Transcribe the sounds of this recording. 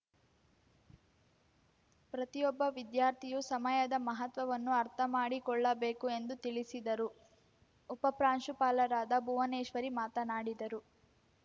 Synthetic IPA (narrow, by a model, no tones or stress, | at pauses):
pɾɐt̪ijɔbːɐʋid̪jaːɾt̪ʰijusɐmɐjɐd̪ɐmɐɦɐt̪ʋɐʋɐnːuɐɾt̪ʰɐmaːɽikɔɭːɐbeːkue̞nd̪ut̪iɭisid̪ɐɾuː | pɐpɾaːnʃupaːlɐɾaːd̪ɐbuʋɐneːʃʋɐɾimaːt̪ɐnaːɽid̪ɐɾu